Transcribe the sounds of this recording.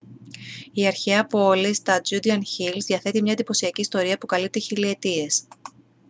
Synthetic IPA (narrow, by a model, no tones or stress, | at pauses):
iɐɾçeɐpoolist̪ɐd͡ʒud̪iɐnçilzðiɐθe̞t̪imɲɐed̪ipo̞siɐciːst̪o̞ɾiɐpukɐlip̚t̪içilie̞t̪ie̞s